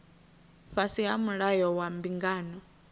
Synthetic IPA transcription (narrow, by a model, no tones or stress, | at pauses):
ɸasiɦamuɺajɔwambiŋɡaːnɔ